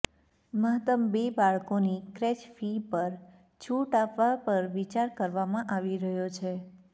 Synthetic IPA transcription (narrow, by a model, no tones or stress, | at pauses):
məɦt̪əmbebaɭkonikɾɛt͡ʃfipəɾ | t͡ʃʰuʈapʋapəɾʋit͡ʃaɾkəɾʋamãʔaʋiɾəɦjot͡ʃʰe